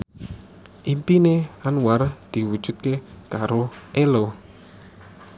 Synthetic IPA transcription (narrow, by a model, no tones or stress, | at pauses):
ʔimpineanward̪̥i̤wud̥ʒ̥ṳt̪̚kekaɾoʔelo